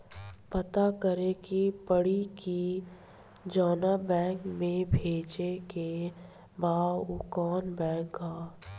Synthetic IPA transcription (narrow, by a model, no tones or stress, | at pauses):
pɐt̪akəɾekipəɽiki | d͡ʒɔːnabɛ̃ːŋkmẽbʱeːt͡ʃeke | baːukɔːnbɛ̃ːkɡaː